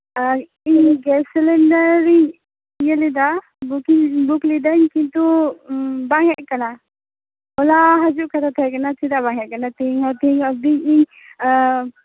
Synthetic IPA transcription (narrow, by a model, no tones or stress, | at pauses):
iɲɡɛlsɛlɛɳɖəɾɾiɲ | ijəlid̪a | bukiŋbuklid̪əɲkint̪u | baŋɛʔkana | ɔlaɦad͡ʒuʔkʰat̪ʰat̪ʰɛkanat̪ʰid̪abaŋɛʔ̚kanat̪ʰiŋɔt̪ʰiŋɔd̪iɲiɲ